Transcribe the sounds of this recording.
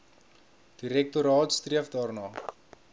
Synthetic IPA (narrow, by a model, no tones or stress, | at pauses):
d̥iɾɛk̚tuɾɑːtst̪riəfdɑːrnɑː